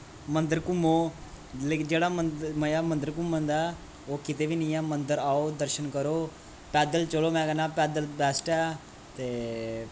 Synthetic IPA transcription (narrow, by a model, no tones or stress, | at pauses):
mənd̪əɾkʊmoː | led͡ʒeːɽaːməməjaːmənd̪əɾkʊmːə̃nd̪aː | oːkɪt̪eːʋiːnĩːaːmənd̪əɾaːoːd̪əɾʃənkəɾoː | pɛːd̪əlt͡ʃəloːmɛ̃ːɡənãːpɛːd̪əlbɛːsʈɛː | t̪eː